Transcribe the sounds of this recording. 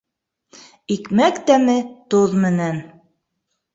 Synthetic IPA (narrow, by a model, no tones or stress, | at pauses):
ikmækt̪æmɘt̪oðmɘ̆næn